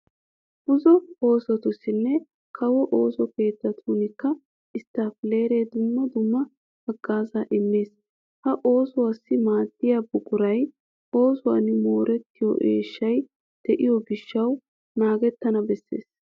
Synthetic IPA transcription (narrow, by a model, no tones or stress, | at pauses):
ʔʊzɔo̞ːsɔt̪ʊsːɪnːɛ | kʰɐwɔʔoːsɔke̞ːt̪ːɐt̪ʰuːnɪkːɐ | ɪst̪ːaːfɪle̞ːɾeːd̪ʊmːɐd̪ʊmːɐ | hɐɡːaːzaʔɪmːeːs | hɐʔo̞ːsʊwaːsːɪmaːd̪ːɪjabʊkʼʊɾɐj | o̞ːsʊwa̰ːnɪmo̞ːɾɛt̪ːɪjɔ̰ʔḛːʃːɐj | d̪̥ɛʔɪjɔɡɪʃːɐw | naːɡɛt̪ːɐnɐbɛsːḛːs